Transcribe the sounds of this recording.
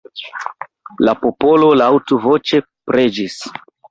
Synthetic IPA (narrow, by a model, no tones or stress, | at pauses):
lapo̞po̞lo̞lawtuvo̞t͡ʃe̞ | pɾe̞d͡ʒis